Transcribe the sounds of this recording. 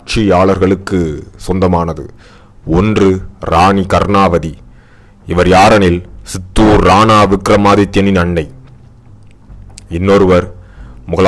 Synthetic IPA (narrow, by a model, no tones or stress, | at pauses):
t͡ʃijaːɭɐɾɣɐɭɯkːɯsɔnd̪ɐmaːnɐðɯ̰ | ɔndrɯɾaːnikɐɾnaːʋɐði | ɪʋɐɾjaːɾɐnɪlsɪt̪ːuːɾːaːnaːʋɪkɾɐmaːðɪt̪ːjɐnɪnɐɳːɐɪ | ɪnːoːɾɯʋɐɾmʊɣɐɭ